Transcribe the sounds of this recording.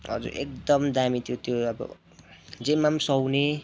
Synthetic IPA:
ʌ̰d͡zṵɾḛkd̪ʌmd̪amit̪ʰjot̪joʌbʌ̰ | d͡zemamsʌwne

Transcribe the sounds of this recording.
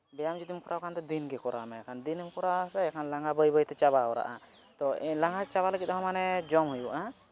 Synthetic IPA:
bɛjamd͡ʒud̪imkɔɾʔawkʰant̪ɔd̪inɡɛkɔɾa̰mɛkʰand̪inmkɔɾasɛɛkʰanlaŋɡabəjbəjt̪ɛt͡ʃaβaɔɾa̰ʔa | t̪ɔlaŋɡat͡ʃaβaləɡit̪̚ɦɔmanɛd͡ʒɔmɦujuʔa

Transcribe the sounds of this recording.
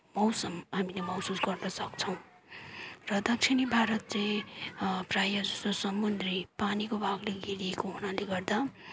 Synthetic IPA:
mʌwsʌmɦamilemʌwsusɡʌrnʌsʌkt͡sʰʌw̃ | rʌd̪ʌk̚t͡sʰinibʱaɾʌt̪̚t͡sʌ̃ | prajʌd͡zʌsosʌmːund̪ripanikobʱaɡleɡiɾiekoɦunaleɡʌrd̪a

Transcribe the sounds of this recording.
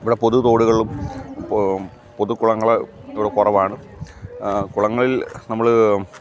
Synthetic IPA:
iʋiɽepo̞ðut̪o̞ːɽuɣɐɭum | poðukːuɭɐŋːɐɭeeʋiɽekurɐʋaːɳɨ | kuɭɐŋːɐɭilnɐmːɐɭ

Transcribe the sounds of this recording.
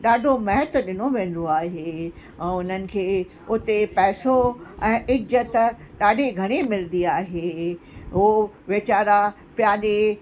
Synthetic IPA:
ɗaːɖʱomɐɦət̪ʊɗɪnoʋẽːn̆d̪oaːɦeː | ɛ̃ːʊn̤ənɪ̆kʰeː | ʊt̪epɛːsoɛ̃ːʔɪɡzət̪ɗaːɖʱeɡʱɐɽ̃emɪlnd̪iaːɦeːɦo | ʋet͡ɕaːɾa | pjaːɗe

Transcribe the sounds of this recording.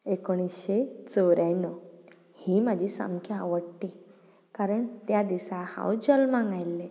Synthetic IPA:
ekoɽ̃isɕet͡sɔwɾanɔ | hiːmad͡ʑʱiːsa̰mkʰjaːʋəɽʈ̪i | kaɾəɳt̪jad̪isaha̰wd͡ʑəlmãŋɡajlːe

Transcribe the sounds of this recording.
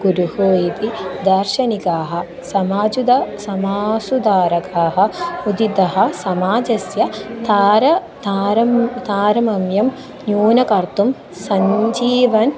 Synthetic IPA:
ɡ̥uɾuɦoːjit̪id̪ɐɾʃɐnikaːɦɐ | sɐmaːd͡ʒud̪ɐsɐmaːsud̪aːɾɐkaːɦɐ̆ud̪id̪ɐɦɐ̆sɐmaːd͡ʒɐsjɐt̪ʰaːɾɐ | t̪aːɾɐmt̪aːɾɐmɐmjɐm | njuːnɐkɐɾt̪um | sɐɲd͡ʒiːʋɐn

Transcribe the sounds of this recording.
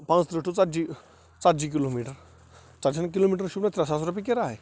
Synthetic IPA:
pãnt͡st̪ɾəʈut͡sad͡ʑi | t͡sad͡ʑik̬ilomiʈəɾ | t͡sad͡ʑank̬ilomiʈəɾɕubnat̪ɾasasɾupikeɾaɦe

